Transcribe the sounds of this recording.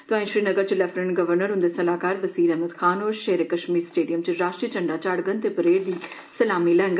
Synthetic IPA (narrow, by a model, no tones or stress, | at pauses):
t̪ʊãːĩʃɾiːnəɡəɾt͡ʃəlɛpʰɾəɳɡəʋəɾnəɾɦʊ̃nd̪eːsəlaːkaːɾbəsiːɾɛːɦməd̪kʰaːnoːɾʃeːɾeːkəʃmiːɾsʈeːɖijəmt͡ʃɾaːʃʈɾiət͡ʃəɳɖaːt͡ʃaɽɡənt̪eːpəɾeːɾd̪iː | səlaːmiːlɛ̃ːŋɡə